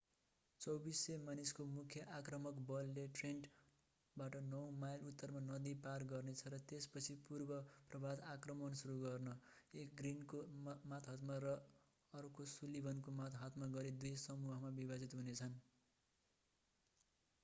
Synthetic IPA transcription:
t͡sʌwbisːemaniskomukʰjʌʔakrʌmʌkbʌlːeʈrenʈ | baʈʌnʌwmajlut̪ːʌrmanʌd̪iparɡʌrnet͡sʰʌɾʌt̪espʌt͡sʰipurbʌprʌbʱad̪akrʌmʌnsuɾuɡʌrnʌ | ek̚ɡrinkomat̪ʰɦʌt̪maɾʌ | ʌɾukosulibʱʌnkomat̪ɦat̪maɡʌɾid̪ujsʌmuɦʌmabibad͡zit̪ɦunet͡sʰʌn

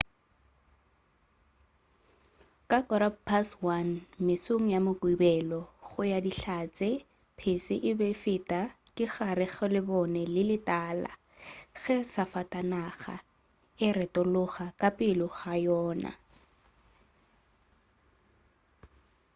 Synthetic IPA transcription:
kʼakʼɔɾapʰaswanmɪsoŋ̩jamʊkʼuibɛlɔɣʊjadiɬat͡sʼɪ | pʰɪsɪʔɪbɛfɪtʼakʼɪɣaɾɪɣɛlɪbɔnɛlɪlɪtʼaːla̰ | ɣɛsafatʼanaɣa̰ | ɪrɛtʼɔlʊχakʼapʼɪlɔɣajɔːna̰

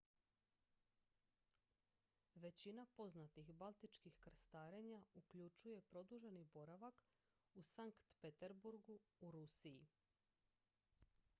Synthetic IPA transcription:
ʋe̞t͡ɕinapo̞znat̪ixbalˠt̪it͡ʃkixkɾ̩st̪aːɾe̞ɲaukʎut͡ʃuje̞pɾo̞d̪uʒe̞nibo̞ɾaʋak | usaŋkt̪pet̪eɾbuɾɡuːɾusiji

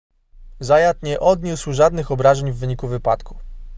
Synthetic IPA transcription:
zajat̪ɲɛʔɔd̪ɲuswʐad̪nɘxɔbɾaʐɛɲvːɘɲikuvɘpa̰t̪ku̥

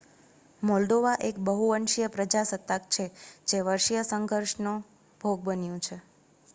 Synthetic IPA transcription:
mɔlɖ̪oʋaʔekbəɦuənʃijəpɾəd͡ʒasət̪ak̚t͡ʃʰed͡ʒeʋəɾʃjəsəŋɡʱəɾʃnũ | bʱoɡ̚bənjũt͡ʃʰe

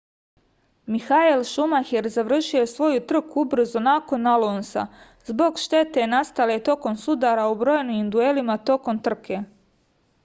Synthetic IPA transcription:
mixaelʃumaxeɾzaʋr̩ʃio̞sʋo̞jut̪r̩kuubɾ̩zonako̞nalˠoːnsa̰ | zbo̞ɡʃt̪e̞t̪e̞nast̪ale̞t̪o̞ko̞msud̪aːɾaubɾo̞ːjniind̪uelimat̪o̞ko̞mt̪r̩kʰe̞

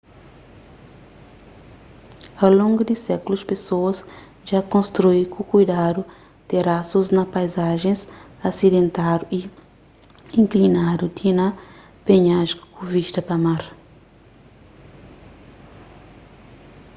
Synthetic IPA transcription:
awlõŋɡud̪isɛkuluspesoɐz | ʒakõnst̪ɾujkukujd̪ad̪u | d̪̥eɾasuznɐpajzaʒẽsasid̪ẽnt̪ad̪uʔi | ĩŋklinad̪ut̪ʰinɐ | peɲaʒkuviʃt̪ɐpɐmaɾ

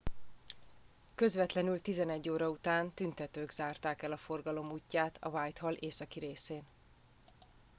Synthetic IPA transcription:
kø̞zvɛt̪lɛnylt̪izɛnɛɟːoːɾɒut̪aːnt̪ynt̪ɛt̪øːɡz̥aːrt̪aːkɛlɒfo̞rɡɒlo̞muːcːaːt̪ʰɒ̰vaːjt̪ɦɒlʔeːsɒkiɾeːseːn

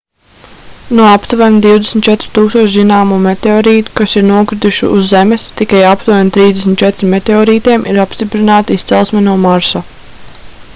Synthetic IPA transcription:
nuɔapt̪uvanʲd̪iwd̪esmnʲt̪̚t͡ʃɛt̪ɾu̥t̪uːkst̪uɔʃzinaːmuːmet̪eɔɾiːt̪u̥kasiɾnuɔkɾid̪uʃṵuzːɛmest̪ikajapt̪uvanʲt̪ɾiːzd̪esmʲt̪̚t͡ʃɛt̪ɾimːet̪eɔːɾiːt̪iɛmʔiɾapst̪ipɾinaːt̪iist̪sɛlˠsmɛnuɔmaɾsa

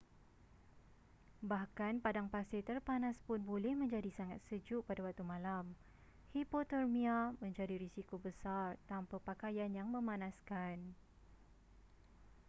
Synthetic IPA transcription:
bahkanpadaŋpasit̪ərpanãspʊnbolɛhmə̃ɲd͡ʒadisaŋat̪̚səd͡ʒʊʔpadawak̚t̪umãlam | hipot̪ərmĩamə̃ɲd͡ʒadiɾisikobəsart̪ampapakajanjaŋmə̃mãnãskan

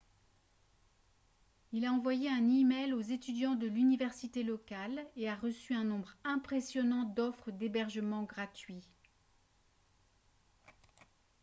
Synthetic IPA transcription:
ilaɑ̃vwajeɛ̃nimɛlozet̪yd̪jɑ̃d̪əlynivɛʁsit̪elɔkaleaʁəsyɛ̃nɔ̃bʁɛ̃pχesjɔnɑ̃d̪ɔfχəd̪ebɛʁʒəmɑ̃ɡʁat̪ɥi

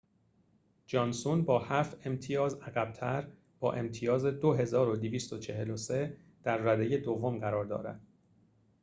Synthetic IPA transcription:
d͡ʒɒːnsunbɒːhæːft̪e̞mt̪ʰijɒːzæɣæb̥̚t̪ʰæɾ | b̥ɒ̰ːʔe̞mt̪ʰijɒːzed̪o̞ɦe̞zɒːɾo̞d̪eviːst̪o̞t͡ʃʰe̞ɦe̞lo̞se̞ | d̪̥æɾːæd̪e̞je̞d̪ovːo̞mɢæɾɒːɾd̪ɒ̰ːɾæ̰d̪̥̚

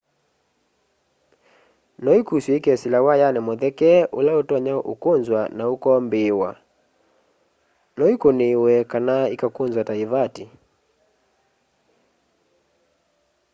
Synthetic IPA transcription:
nɔikusuikɛsilawajanɛmɔðɛkɛʔulaotɔaɲaʔukonzwanaukɔmbewa̰ | nɔikonewɛkanaikakunzwataivati

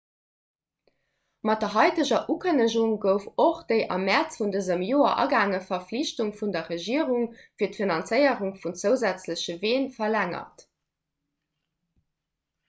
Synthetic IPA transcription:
mɑt̚dɐɦɑɪtəʑɐʔukʰənəʑuŋɡəʊfoχd̥əɪʔɑ̰mæt͡sfundəzəmjoːɐ̰ʔɑ̰ɡaːŋəfɐfliɕtuŋfundɐʁəʒiəʁuŋfiːɐtfinɑnt͡səɪəʁuŋfunt͡səʊzæt͡sləɕəveːnfɐlæŋɐ̰t

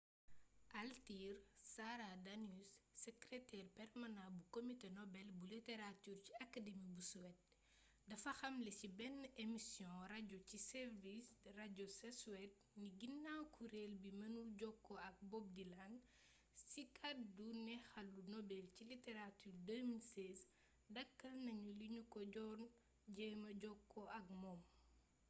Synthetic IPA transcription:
ʔaltiːrsaɾadɐnusːɛkɾɛtɛrpɛrmanãbukomitenɔbɛlbuliteɾatyːrciɐkademibusuwɛt̚ | dɐfɐxɐmlɛsibɛnːʔemisjɔ̃raɟocisɛrvisraɟosɛsuwɛt̚niɡinːakʰuɾelbimɐnuɟɔkːɔɐk̚bɔb̚dilan | sikʰadunɛxɐlːunɔbɛlciliteɾatyːrdəmilsɛs | dɐkːɐlnɐɲuliɲukɔɟɔn | ɟɛmɐɟɔkʰːɔʔɐk̚mɔm

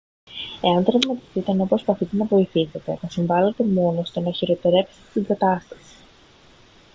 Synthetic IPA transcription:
e̞ɐnt̪ɾɐɣmɐt̪ist̪it̪enopɾospɐθit̪e̞nɐvo̞iθise̞t̪e̞nɐsiɱvɐle̞t̪e̞mo̞no̞st̪onɐçiɾo̞t̪eɾe̞pse̥t̪et̪iɡɐt̪ɐst̪ɐ̥si̥

